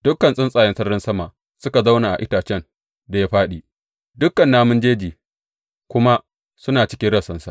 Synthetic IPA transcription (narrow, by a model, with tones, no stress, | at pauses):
d̥ʊ˦kːɐ˨nsʼɪ˦nsʼaː˨jɐ˦sɐ˦rɪ˦nsɐ˦ma˨ʔ | sʊ˦ka˨za˦wnaː˨ʔa̰˨ʔɪ˦taː˨t͡ʃɛ˦n | da˨ja˦ɸaː˦ɗiː˨ | dʊ˦kːɐ˨nːaː˦mʊ˦nd͡ʒeː˦d͡ʒiː˨ | kʷʊ˦ma˦ | sʊ˦naː˨t͡ʃɪ̥˦kʲɪ˦ɽɐ˨sɐ˦nsa̰˨ʔ